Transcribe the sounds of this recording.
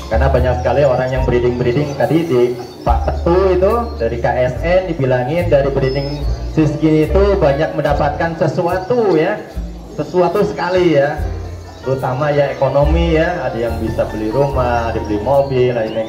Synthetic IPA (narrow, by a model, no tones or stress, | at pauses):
karnabaɲak̚sə̥kalioɾaŋjaŋbəɾidɪŋbəɾidɪŋt̪adidi | pa̰t̪ət̪uit̪udaɾikaʔɛsɛndibilaŋɪndaɾibɾidɪŋsiskinit̪ubaɲak̚məndapat̪̚kansəsuat̪uja | səsuat̪usə̥kalija | t̪əɾut̪amajaekonomijaːdajaŋbisabəlihɾumahadabəlihmobɪladima